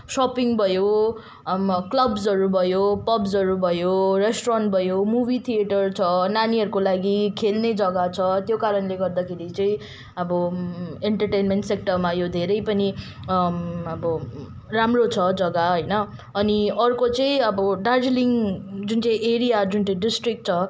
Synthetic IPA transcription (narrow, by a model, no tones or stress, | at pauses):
sʌpiŋɡbʱʌjo | klʌbzʌɾubʱʌjopʌbzʌɾubʱʌjoresʈranʈ̚bʱʌjomubit̪ʰieʈʌrt͡sʰʌnaniɦʌɾukolaɡikʰelned͡zʌɡat͡sʰʌt̪jokaɾʌnleɡʌrd̪akʰeɾit͡sʌĩ | ʌbʌeɳʈʌrʈejnmeɳʈsek̚ʈʌrmajod̪ʱeɾʌjpʌni | ʌbʌ | ramrot͡sʰʌd͡zʌɡaɦʌjnʌː | niʌrkot͡sʌĩʌbʌɖad͡zliŋd͡zunt͡sʌ̃j̃ʔeɾijad͡zunt͡sʌ̃ɖisʈrik̚ʈ̚t͡sʰʌ